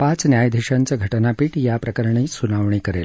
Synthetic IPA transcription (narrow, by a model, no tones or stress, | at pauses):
pãt͡snjajd̪ʱeɕãnt͡saɡʱəʈnapiːʈjapɾəkəɾɳisunaʋɳiːkəɾḛl